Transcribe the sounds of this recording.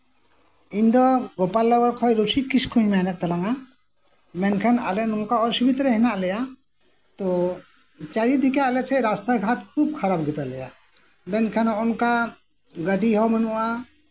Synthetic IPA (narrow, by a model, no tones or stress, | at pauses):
iɲd̪ɔɡɔpalːɔɡɔɾkʰɔjɾusʰikiskʰuɲmɛnɛt̪̚t̪alaŋa | mɛnkʰana̰lɛnɔnkaɔɾsibit̪ɾɛɦɛnaʔlɛja | t̪ɔ | t͡ʃaɾid̪ʱikalɛt͡ʃʰɛɾast̪aɡʱaʈ̚kʰub̚kʰaɾabɡit̪alɛja | mɛnkʰanɔnka | ɡəʈiɦɔmənuʔa